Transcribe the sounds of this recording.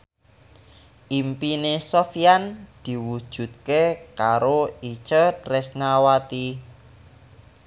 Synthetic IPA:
ʔimpinesofiand̪̥i̤wud̥ʒ̥ṳt̪̚kekaɾoit͡ʃətɾɛsnawat̪i

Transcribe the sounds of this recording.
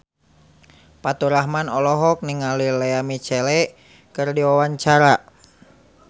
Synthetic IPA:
pat̪uɾaɦmanɔlɔɦɔk̚niŋalilɛamit͡ʃɛlɛ | kɨrdiwawaɲt͡ʃaɾa

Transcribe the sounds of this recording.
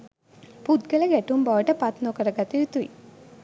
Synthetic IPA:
pud̪ɡəlɐɡɛʈumbaʋəʈəpat̪noːkəɾɐɡat̪iʋit̪ui

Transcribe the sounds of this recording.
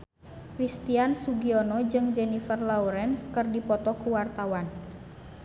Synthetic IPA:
krist̪iansuɡiɔnɔd͡ʒɨŋd͡ʒɛnifərlauɾɛnskɨrdipɔt̪ɔkuwart̪awan

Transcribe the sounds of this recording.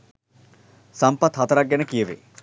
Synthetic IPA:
sɐmpɐt̪ɦɐt̪ɐɾaɡjɐnɐkijɐʋḛ

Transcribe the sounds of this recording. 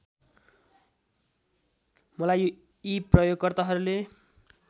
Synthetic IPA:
mʌlajo | iprʌjoɡkʌrt̪aɦʌɾule

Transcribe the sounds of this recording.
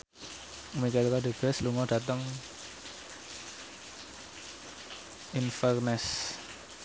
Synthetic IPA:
mikalkaɖeb̥ɛsluŋɔd̥a̤t̪əŋ | infərnɛs

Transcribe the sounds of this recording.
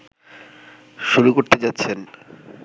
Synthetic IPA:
ʃuɾukoɾt̪ed͡ʑatːɕʰen

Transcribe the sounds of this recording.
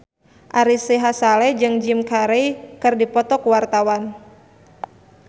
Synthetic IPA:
ʔaɾisiɦasalɛd͡ʒɨŋd͡ʒimkaɾejkɨrdipɔt̪ɔkuwart̪awan

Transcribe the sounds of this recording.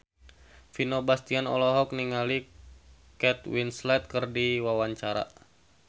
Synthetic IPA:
finobast̪ianɔ̰lɔɦɔk̚niŋali | kɛt̪winslɛt̪̚kɨrdiwawaɲt͡ʃaɾa̰

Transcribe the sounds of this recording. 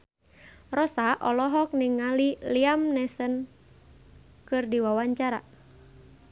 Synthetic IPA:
rɔsaʔɔlɔɦɔk̚niŋːaliliamnɛsən | kɨrdiwawaɲt͡ʃaɾa

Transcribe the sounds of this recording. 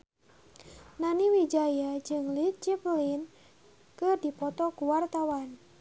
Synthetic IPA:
naniwid͡ʒajad͡ʒɨŋlit̪̚t͡ʃiplin | kɨrdipɔt̪ɔkuwart̪awan

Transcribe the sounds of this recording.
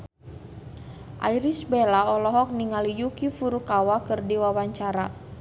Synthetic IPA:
ʔa̰iɾisbɛlaɔlɔɦɔk̚niŋalijukifuɾukawakɨrdiwawaɲt͡ʃaɾa

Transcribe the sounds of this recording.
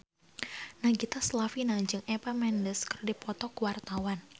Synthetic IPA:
naɡit̪aslafinaɲd͡ʒɨŋepamɛndəskərdipɔt̪ɔkuwart̪awan

